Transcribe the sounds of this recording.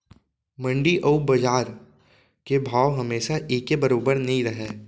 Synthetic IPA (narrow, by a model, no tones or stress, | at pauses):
mɐ̃ɳɖiʔɐubɐd͡ʒaːɾ | kebʱaːwɦɐmeːʃaʔeːkebɐɾoːbəɾnɐɦĩɾɐɦeː